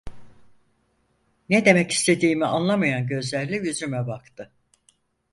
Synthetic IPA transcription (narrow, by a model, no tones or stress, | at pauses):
ned̪e̞mɛci̥st̪ʰe̞d̪iːmianlˠamajanɟø̞zlʲæɾlʲɛjyzymɛbakt̪ʰɯ